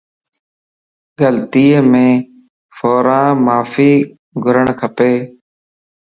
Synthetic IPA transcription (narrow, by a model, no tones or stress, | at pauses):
ɡəlt̪iːmẽː | foːɾãːmaːfiː | ɡʱʊɾəɳkʰəpeː